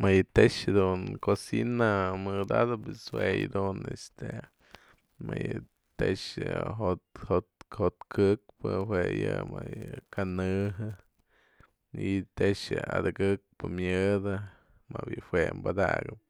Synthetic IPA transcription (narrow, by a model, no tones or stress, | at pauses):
majɨt̪eʂɨd̪unkosinamɨd̪ad̪ɨpɨswejd̪unest̪e | majɨ | t̪eʂɨɦot̪hot̪hot̪kɨk̚pɨɦwejɨmajɨkanɨɦɨ | ɨt̪eʂɨad̪ɨɡɨk̚pɨmjɨd̪ɨ | mawjiʔhwembad̪aɡɨp̚